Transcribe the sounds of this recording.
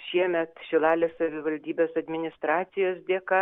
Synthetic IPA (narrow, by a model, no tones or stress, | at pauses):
ʃʲiɛmʲɛt̪ʃʲɪlˠɑːlʲeːssɐʋʲɪʋɐlʲd̪ʲiːbʲeːsɐd̪ʲmʲɪnʲɪst̪ɾɑːt̪sʲɪjoːs̬d̪ʲeːkɑ